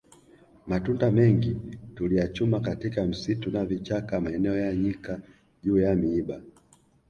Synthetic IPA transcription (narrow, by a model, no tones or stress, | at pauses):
matundamɛŋɡitulijat͡ʃumakatikam̩situnavit͡ʃakamaɛnɛɔjaɲika | ʄuːjamiiɓa